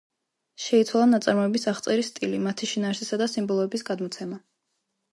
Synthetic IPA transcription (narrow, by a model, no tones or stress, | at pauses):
ʃɛit̪sʰwalˠanat̪sʼaɾmɔɛbisaχt̪sʼɛɾist̪ʼilimat̪ʰiʃinaːɾsisad̪asimbɔlˠɔɛbisɡad̪mɔt̪sʰɛma